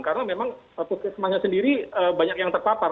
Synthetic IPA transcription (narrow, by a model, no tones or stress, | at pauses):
ŋkarənamemaŋ | əpuskɪsəmahɲasəndiɾiəbaɲakjaŋt̪ərpapar